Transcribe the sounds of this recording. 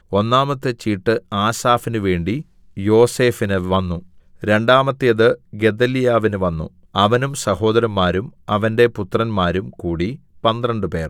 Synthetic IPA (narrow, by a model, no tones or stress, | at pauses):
o̞nːaːmɐt̪ːɨt͡ɕːiːʈːɨaːsaːfinɨʋe̞ːɳɖi | jo̞ːse̞ːfinɨʋɐnːu | ɾe̞ɳɖaːmɐt̪ːijɐðɨɡe̞d̪ɐlijaːʋinɨʋɐnːṵ | ɐʋɐnumsɐho̞ːd̪ɐɾɐmːaːɾumɐʋɐnde̞put̪rɐnmaːɾumkuːɽi | pɐnd̪rɐɳɖɨpe̞̰ːr